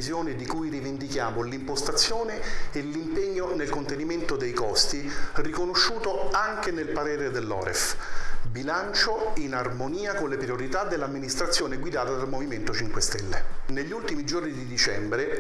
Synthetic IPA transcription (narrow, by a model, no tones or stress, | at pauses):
izjoːned̪ikujrivind̪ikjaːmolimpost̪at̪sːjoːneːlːimpeɲːonelkont̪eniment̪od̪ejkɔst̪irikonoʃːuːt̪oaŋk̟enelpaɾeːɾed̪elːɔ̰ːɾḛfbilant͡ʃoinarmoniːakonlepɾioɾit̪ad̪elːamːinist̪ɾat̪sːjoːneɡwid̪aːt̪ad̪almoviment̪ot͡ʃiŋkwest̪ɛlːeneʎːult̪imid͡ʒornid̪id̪it͡ʃɛ̰mbɾe